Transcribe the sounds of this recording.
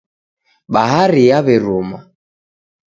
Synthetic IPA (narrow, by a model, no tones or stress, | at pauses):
ɓaɦaɾiaβɛɾuma